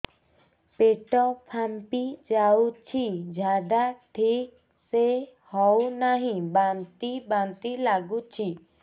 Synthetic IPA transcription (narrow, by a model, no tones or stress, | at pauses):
peʈɔpʰampid͡ʒawt͡ʃʰid͡ʒʱad̪aʈʰik | sehɔwnaɦĩbant̪ibant̪ilaɡut͡ʃʰi